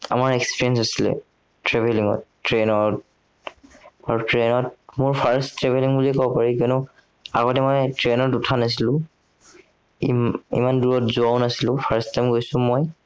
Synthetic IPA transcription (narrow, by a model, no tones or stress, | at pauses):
a̰maɹekspiɹiɛns̬asilɛ̰ | tɹebʱeliŋɔ̰tː | ɹenɔɹt | aɹutɹenɔt̚mʊɹpʰaɹstɹɛbʱeliŋbuliɛkɔbɔpaɹikɔnɔ | a̰ɡɔtɛmɔjtɹenɔtutʰanas̬ilʊ̃ | iḭmanduɹɔtzʊaʊnasilʊ̃pʰaɹstamɡojsʊ̃moj